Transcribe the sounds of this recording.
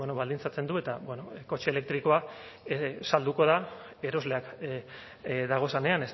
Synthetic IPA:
enoβald̪int͡sat͡se̞nd̪ue̞t̪abweno̞ko̞t͡ʃeele̞k̚t̪ɾiko̞aesald̪uko̞ð̞a | e̞ɾo̞zle̞ak | d̪aɣ̞o̞sane̞ane̞s

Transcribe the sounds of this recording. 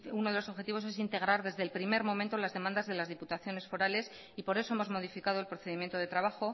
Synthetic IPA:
uno̞ðelo̞so̞βxet̪iβo̞se̞s̬int̪e̞ɣ̞ɾaɾðe̞zðelpɾime̞ɾmo̞mẽnt̪olazðe̞mãnd̪azðe̞lazð̞iput̪aθjo̞ne̞sfo̞ɾale̞s | ipo̞ɾe̞so̞emo̞zmo̞ðifikað̞o̞e̞lpɾo̞θe̞ðimjent̪o̞ðe̞t̪ɾaβaxo̞

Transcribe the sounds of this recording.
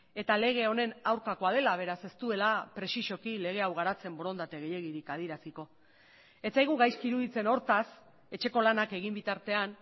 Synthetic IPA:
e̞t̪ale̞ɣ̞e̞o̞ne̞nawɾkako̞aðe̞laβ̞e̞ɾase̞st̪ue̞lapɾe̞siʃo̞kile̞ɣ̞e̞awɣ̞aɾat͡se̞mboɾo̞nd̪at̪e̞ɣ̞e̞je̞ɣiɾikað̞iɾasiko̞ | e̞t͡sajɣuɣajskiɾuðit͡se̞no̞ɾt̪as | e̞t͡ʃe̞ko̞lanake̞ɣ̞imbit̪aɾt̪e̞an

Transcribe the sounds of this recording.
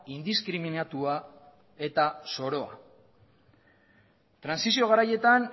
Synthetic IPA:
ind̪iskɾiminat̪ua | e̞t̪aso̞ɾo̞a̰ | t̪ɾansisio̞ɣaɾaje̞t̪an

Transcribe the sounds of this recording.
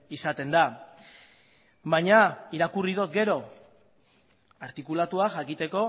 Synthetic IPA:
isat̪e̞nd̪a | βajɲaiɾakurið̞ot̪ɡe̞ɾo̞ | aɾt̪ikulat̪uaʝakit̪e̞ko̞

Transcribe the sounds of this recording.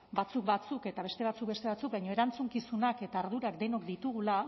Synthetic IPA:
bat͡suk̚bat͡suke̞t̪aβ̞e̞st̪e̞βat͡suk̚be̞st̪e̞βat͡suk̚bajɲo̞e̞ɾant͡suŋkisunake̞t̪aːɾðuɾakd̪e̞no̞kd̪it̪uɣ̞ula

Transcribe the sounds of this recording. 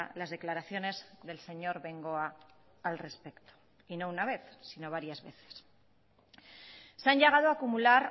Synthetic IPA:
lazð̞e̞klaɾaθjo̞ne̞zðe̞lse̞ɲo̞ɾβe̞ŋɡo̞aː | lre̞spe̞kt̪o̥ | inounaβ̞e̞θsino̞β̞aɾjazβe̞̰θe̥s | seaɲʎe̞ɣað̞oakumulaɾ

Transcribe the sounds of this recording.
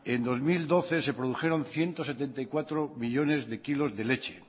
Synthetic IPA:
e̞nd̪o̞zmild̪o̞θe̞se̞pɾoðuxe̞ɾo̞nθje̞nt̪ose̞t̪e̞nt̪aikwat̪ɾomiʎo̞ne̞zðe̞kilo̞zðe̞le̞t͡ʃe

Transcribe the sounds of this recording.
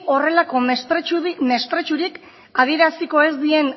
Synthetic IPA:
o̞re̞lako̞ume̞st̪ɾe̞t͡ʃuɾik | að̞ie̞ɾasiko̞e̞zd̪ie̞n

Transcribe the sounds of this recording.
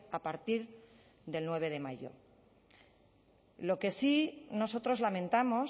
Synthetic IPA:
apaɾt̪iɾ | ðe̞lnwe̞β̞e̞ð̞e̞maʝo̞̰ | lo̞ke̞sino̞so̞t̪ɾo̞zlamẽ̞nt̪amo̞

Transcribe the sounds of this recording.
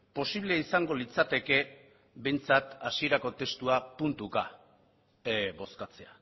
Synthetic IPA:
po̞siβ̞le̞isaŋɡo̞lit͡sat̪e̞ke̞ | βe̞nt͡sat̪asie̞ɾako̞t̪e̞st̪uapunt̪uka | bo̞skat͡se̞a

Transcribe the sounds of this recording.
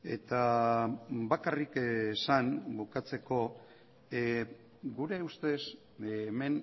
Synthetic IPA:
e̞̰t̪a | bakarikesanbukat͡se̞ko̞ | ɡuɾe̞ust̪e̞s | me̞n

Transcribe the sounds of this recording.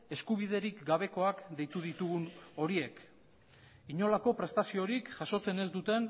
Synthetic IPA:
e̞skuβ̞ið̞e̞ɾikɡaβ̞e̞ko̞akd̪e̞jt̪uð̞it̪uɣuno̞ɾie̞k | iɲo̞lako̞pɾe̞st̪asio̞ɾikʝaso̞t͡se̞ne̞zd̪ut̪e̞n

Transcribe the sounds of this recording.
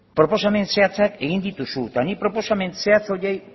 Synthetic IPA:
pɾo̞po̞same̞nse̞at͡sake̞ɣind̪it̪usut̪anipɾo̞po̞same̞nse̞at͡so̞jej

